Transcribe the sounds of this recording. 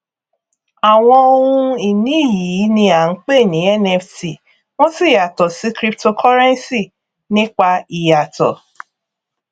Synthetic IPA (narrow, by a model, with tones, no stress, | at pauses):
a˨w̃ɔ̃˧o˧hũ˦i˨nĩ˨˦˨ji˨˦˨nĩ˧˦a˨ŋ̩˦k͡pe˦˨nĩ˨˦ɛ˦˨nɛ˧fti˨ | w̃ɔ̃˦si˦˨ja˨tɔ˨si˨˦kɾi˦pto˧kʰɔ˦ɾɛ˦n˦si˦˨ | nĩ˦k͡pa˧i˨ja˨tɔ̰˨